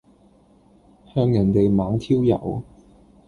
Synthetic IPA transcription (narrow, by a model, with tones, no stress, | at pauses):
hœː˧ŋjɐ˨˩nt̪e˨jmaː˨˧ŋt̪ʰiː˥wjɐ̰˨˩w